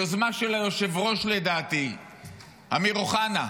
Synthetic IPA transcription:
ozmaʃelajo̞ʃe̞vʁo̞ʃle̞d̪aːt̪i | amiʁoχana

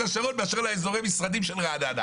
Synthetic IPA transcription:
aʃaʁot̪̚beaʃeʁlaezo̞ʁejmisʁadimʃelʁaad̪ad̪a̰

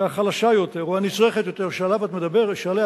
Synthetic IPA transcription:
aχalaʃajo̞t̪e̞ʁoanit͡sʁeχetjot̪eʁʃalavat̪med̪abeʁʃale

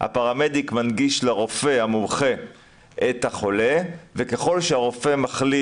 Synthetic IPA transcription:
ha̰paʁamed̪ikmanɡiʃleʁo̞fe̞hamumχe̞ | ʔet̪haχo̞levekeχo̞lʃeaʁo̞fe̞maχli

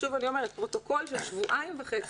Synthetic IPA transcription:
uvanio̞meʁet̪̚pʁo̞t̪o̞ko̞lʃelʃvuʔaimvaχet͡s

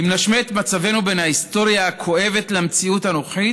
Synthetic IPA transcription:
imnaʃmeet̪mat͡save̞nube̞nhahist̪o̞ʁjaːkʰo̞e̞vet̪lemt͡siuthano̞χi

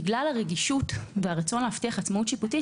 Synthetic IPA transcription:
ɡlalaʁeɡiʃutveaʁat͡so̞nleaftiaχat͡smautʃiputi

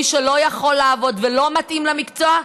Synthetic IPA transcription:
iʃelo̞jaχo̞lːaːvo̞dvelo̞matʔimlamikt͡soa

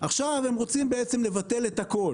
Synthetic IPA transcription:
ʔaχʃavhemʁo̞t͡simbeet͡se̞mle̞vat̪e̞let̪hako̞l

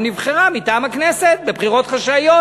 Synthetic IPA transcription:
nivχeʁamit̪aːmhakneset̪̚be̞bχiʁo̞t̪χaʃajo

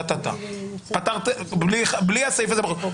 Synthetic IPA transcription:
t̪at̪a̰ | pat̪aʁt̪bliχabliasajifazebexo

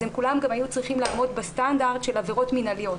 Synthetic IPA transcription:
emkulamɡamajut͡sʁiχimlaːmo̞d̪bestandaʁd̪ʃe̞laveʁo̞tminalijo̞t

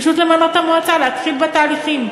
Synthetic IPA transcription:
ʃut̪lemanot̪amoat͡saleat̪χilbat̪aːliχim

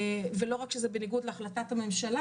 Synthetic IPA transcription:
velo̞ʁakʃezebeniɡudleaχlatathame̞mʃala

